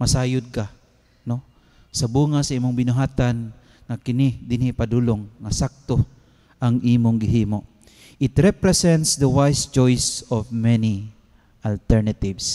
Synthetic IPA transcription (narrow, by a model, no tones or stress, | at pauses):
mɐsaːjʊd̪̚ka | no | sɐbuːŋasɐʔiːmʊŋbɪnʊɦaːt̪an | ŋakɪnid̪ɪnipad̪uloŋːɐsak̚t̪o | ʔɐŋʔiːmʊŋɡɪɦiːmo | ʔɪt̪ɾɛpɾɛsɛnt̪sd̪ɐwajst͡ʃojsɔvmɛni | ʔalt̪ɛɹnat̪ɪvs